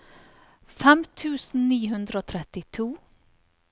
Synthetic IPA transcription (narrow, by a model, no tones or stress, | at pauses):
fɛmt̪ʰʉːsn̩niːɦʉnd̪ɾəoːt̪ʰɾɛt̪ɪt̪ʰuː